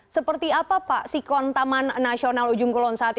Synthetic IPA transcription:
səpərt̪iapapaʔsikɔnt̪amanːasionalud͡ʒuŋkulɔnsaat̪̚

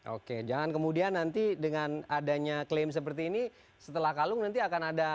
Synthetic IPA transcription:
ʔo̰ked͡ʒaŋankəmudianːant̪idəŋanadaɲaklems̬əp̬ərt̪iːni | sət̪əlahkalʊŋnant̪iakanada

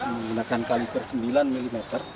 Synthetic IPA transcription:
məŋɡunakankalibərsəmbilanmilimɛt̪ər

